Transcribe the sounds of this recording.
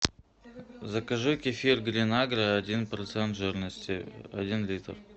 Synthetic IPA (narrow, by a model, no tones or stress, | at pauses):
zɐkɐʐɨkʲɪfʲirɡɾʲɪnaɡɾəɐdʲinpɾɐt̪sɛnt̪ʒɨɾnəsʲtʲɪɐ̰dʲinlʲit̪r